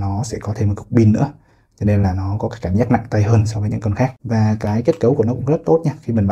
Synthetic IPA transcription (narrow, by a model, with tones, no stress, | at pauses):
nɔ˨˦sɛ̰˧˥kɔ˨˦t̪ʰe˧m̚ː˨˩kʊ˨˩k͡p̚ɓi˧nːɨ̰˧˥ə | t͡ɕɔ˧ne˧nlaː˨˩nɔ˨˦kɔ˨˦kaː˦˥kːa˧˩ŋzaː˦˥k̚na̰˧˨ŋt̪a˧jɦəː˧nsɔ˧vəː˨˦ɲɨ̰˧˥ŋkə˧nxaː˦˥k̚vaː˨˩kaː˨˦jke˦˥t̚kə˨˦wku˧˩ənɔ˨˦kʊ̰˧˥ŋ͡mzə˦˥t̚t̪o˦˥t̚ɲaː˧xi˧mï˨˩ŋ̟ɓ